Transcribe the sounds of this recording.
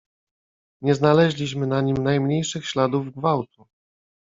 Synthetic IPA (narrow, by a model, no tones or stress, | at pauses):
ɲɛznalɛʑlʲiɕmɘnaɲimnajmɲejʂɘxɕlad̪uvɡvawt̪u